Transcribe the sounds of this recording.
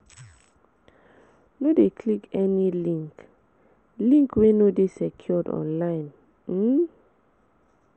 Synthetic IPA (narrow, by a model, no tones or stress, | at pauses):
nodekʰlikʰɛnilĩŋk | lĩŋkwenodesɛkʰjɔdɔ̰̃nlaɪ̃n | m̩